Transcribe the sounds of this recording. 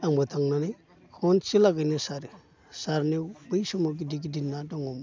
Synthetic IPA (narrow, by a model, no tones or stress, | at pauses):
ambətaŋnani | kʰont͡ʃilaɡənisaɾi | saɾnibəʃumoɡidiɡidinːadaŋom